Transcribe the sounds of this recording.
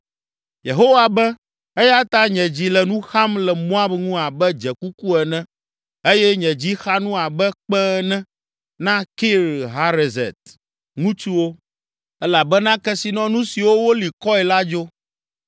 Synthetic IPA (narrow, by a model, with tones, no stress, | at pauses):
je˨ɦo˦wa˨bɛ˦ | e˦ja˦t̪a˦ɲɛ̃˨d͡ʑi˦lɛ˨nũ˦xa˦mlɛ˨mɔ̃˦a˦bŋũ˦a˨bɛ˦d͡ʒɛ˨ku˦ku˦ɛ˨nɛ̃˦ | e˦jɛ˦ɲɛ̃˨d͡ʑi˦xa˦nũ˦a˨bɛ˦k͡pɛ˦nɛ̃˦ | nã˦ki˦ɾɦa˦ɾe˨zɛ̰˨t̪̚ | ŋũ˦t͡ʃu˦wo˦ | ɛ˦la˨bɛ˦nã˦kɛ˦si˨nɔ̃˦nũ˦si˨wo˦wo˦li˨kɔ˦ɛ˨la˦d͡ʒo˦